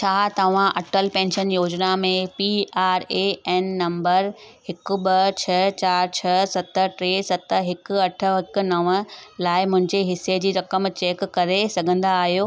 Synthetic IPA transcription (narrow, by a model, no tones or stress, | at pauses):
t͡ɕʰaːt̪ɐʋ̤ãʔɐʈʰəlpɛ̃ːnʃənjoːd͡ʑnamẽpiaːɾeɛːnːɐ̃mbəɾ | hɪkʊ̆ɓɐt͡ɕʰɐt͡ɕaːɾt͡ɕʰɐsɐt̪əʈɾeːsɐt̪əɦɪkʊ̆ɐʈʰə̆ɦɪkʊ̆nɐʋə̆laːɪmʊ̃ɦɪ̃ɲd͡ʑeɦɪsed͡ʑiːɾɐkəmt͡ɕeːkːɐɾesɐɡʱə̃n̆d̪aːɦijoː